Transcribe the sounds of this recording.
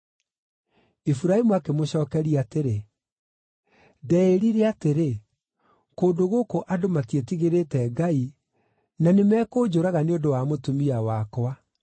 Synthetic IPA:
ifuɾaemuakemoɕɔːkɛɾiateɾe | dɛeɾiɾeateɾe | koːndoɣokoʔadomatietiɣeɾetɛɡai | nanemɛːkoːd͡ʑoɾaɣaneondowamotumiawakɔa

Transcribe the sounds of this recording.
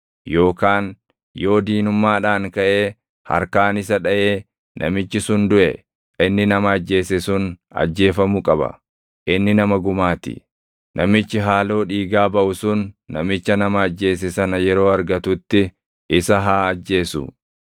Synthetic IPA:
jo̞ːkaːn | jo̞ːd̪iːnʊmːaːᶑaːŋkɐʔe̞ː | hɐ̰ɾkaːnɪsɐᶑɐʔe̞ː | nʔɐ̰mɪt͡ʃːɪsʊnd̪ʊʔɛ̰ | ʔɪnːɪnɐmɐɐd͡ʒːe̞ːsɛsʊn | ɐ̰d͡ʒːe̞ːfɐmʊkʼɐbɐ̰ | ʔɪnːɪnɐmɐɡʊmaːt̪ɪ̰ | nʔɐmɪt͡ʃːɪɦaːlo̞ːᶑiːɡaːbɐʔʊsʊnːɐmɪt͡ʃːɐnɐmɐːd͡ʒːe̞ːs̬ɪsɐnɐjɛɾo̞ːɐɾɡɐt̪ʊt̪ːɪ | ʔɪsɐɦaːɐd͡ʒːe̞ːsʊ̰

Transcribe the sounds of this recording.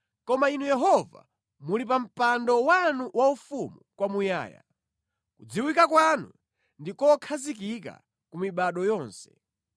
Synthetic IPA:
kɔmainujɛɦɔva̰ | mulip̬am̩pandɔwanuwaufumukwamuja̰ːja̰ | kud͡ziwikakwanu | ndikɔkʰazik̬ika̰ | kumiɓaɗɔjɔːnsɛ̥

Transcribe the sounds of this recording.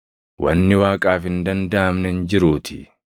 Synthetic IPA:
wɐ̰nːɪwaːkʼaːfhɪnd̪ɐnd̪ɐːmnɛnd͡ʒɪɾuːt̪ʰɪ̰

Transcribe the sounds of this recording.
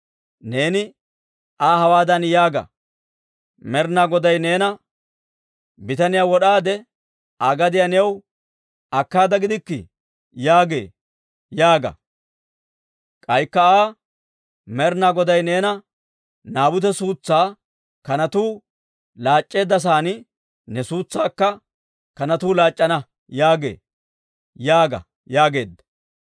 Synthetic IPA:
ne̞ːnɪ | ʔaːhɐwaːd̪ɐnjaːɡɐ̰ | mɛɾnaːɡɔd̪ɐjne̞ːnɐ | bɪt̪ɐnɪjaːwɔɗaːd̪ɛ | ʔaːɡɐd̪ɪjanɛw | ɐkːaːd̪ɐɡɪd̪ɪkːɪ̰ | jaːɡḛː | jaːɡɐ̰ | kʼɐjkːɐaː | mɛɾnaːɡɔd̪ɐjne̞ːnɐ | naːbʊt̪̬ɛsuːt͡sːaː | kɐnɐt̪uː | laːt͡ʃʼːe̞ːd̪ːɐs̬aːnɪ | nɛsuːt͡sːaːkːɐ | kɐnɐt̪uːlaːt͡ʃʼːɐnɐ | jaːɡe̞̰ː | jaːɡɐ̰ | jaːɡe̞ːd̪ːɐ̥

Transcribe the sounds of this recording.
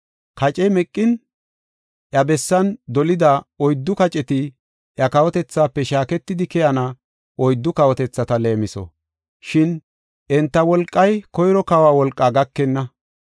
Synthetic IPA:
kɐt͡ʃʼɛmɛkʼːɪn | ʔjɐbɛsːɐnd̪ɔlɪd̪aɔjd̪ːʊkɐt͡ʃʼɛt̪ɪ | ʔjɐkɐwɔt̪ɛt͡sːaːpːɛʃaːkɛt̪ːɪd̪ɪkɛjɐnɐ | ʔɔjd̪ːʊkɐwɔt̪ɛt͡sːɐt̪ɐle̞ːmɪsɔ̰ | ʃɪn | ʔɛnt̪ːɐwɔlkʼːɐjkɔjɾɔkɐwaːwɔlkʼːaːɡɐkːɛnːɐ

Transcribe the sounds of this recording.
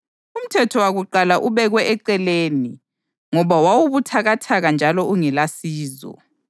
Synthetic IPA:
um̩tʰɛtʰɔwaɣuǃalaʔuβɛɣwɛʔɛǀɛleːni | ŋɔβawawuβutʰaɣatʰaɣand͡ʒʱalɔuŋɛlasiːzɔ̰

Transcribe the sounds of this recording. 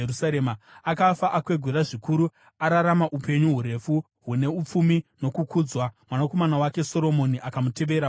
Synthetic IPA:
eusaɾemaakafaʔakwe̞ɡʱuɾaʐikuɾu | aɾaɾamaʔupe̞ɲuɦuɾe̞fu | ɦune̞up͡fumino̞kukuːd͡zwamwanako̞manawake̞so̞ɾo̞mo̞niʔakamute̞ʋe̞ːɾa

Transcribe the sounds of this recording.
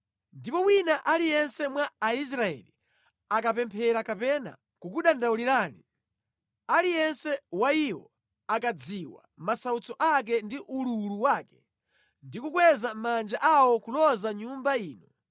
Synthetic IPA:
ndipɔwinaʔalijɛnsɛmwaːis̬ɾaɛ̰li | akapɛmpʰɛɾakapɛna̰ | kukuɗandauliɾaːni | alijɛnsɛwaiwɔ̰ | akad͡ziwa̰masaut͡sɔʔak̬ɛndiʔululuwaːkɛ̥ | ndikuk̬wɛzamand͡ʒaʔawɔkulɔzaɲumbaiːnɔ

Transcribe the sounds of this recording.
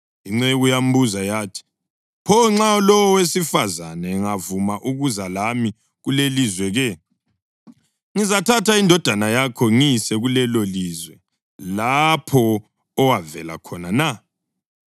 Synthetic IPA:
iŋ͡ǀɛujam̩buzajaːtʰi̥ | pʰɔŋ͡ǁaɔlɔwɔwesifazanɛŋavumaʔuɣuzalami | ɣulelizwɛɣɛ | ŋizatʰatʰaindʱɔd̥ʱanajakʰɔŋisɛɣulɛlolizwɛ | lapʰɔ | ɔwavɛ̰la̰kʰɔnana

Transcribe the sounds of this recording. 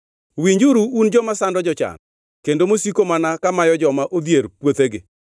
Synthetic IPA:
wiɲd͡ʒuɾuund͡ʒɔmasandɔd͡ʒɔt͡ʃa̰n | kendomosikomanakamajɔd͡ʒɔmaʔod̪jeɾpwot̪eɡɪ̰

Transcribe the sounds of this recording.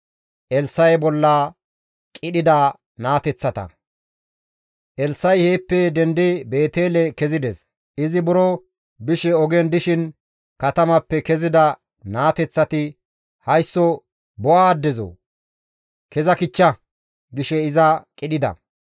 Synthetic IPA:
ʔɛlsːɐjbɔlːɐ | kʼɪɗɪd̪ɐ | naːt̪ɛt͡sːɐt̪ɐ̰ | ʔɛlsːɐjheːpːɛd̪ɛnd̪ɪbe̞ːt̪e̞ːlɛkɛzɪd̪ɛs | ɪzɪbʊɾɔ | bɪʃɛɔɡɛnd̪ɪʃɪn | kɐt̪ɐmɐpːɛkɛzɪd̪ɐ | naːt̪ɛt͡sːɐt̪ɪ | hɐjsːɔ | bɔʔaːd̪ːɛzo̰ | kɛzɐkɪt͡ʃːɐ | ɡɪʃɛɪzɐkʼɪɗɪd̪ɐ̰

